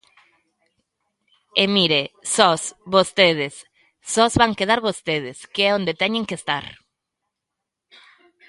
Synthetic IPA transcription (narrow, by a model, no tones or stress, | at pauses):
emiɾesɔsβost̪eð̞ɪsː | ɔzβaŋkeðaɾβost̪eð̞ɪskeɛond̪et̪ɛɲẽŋkest̪a̰ɾ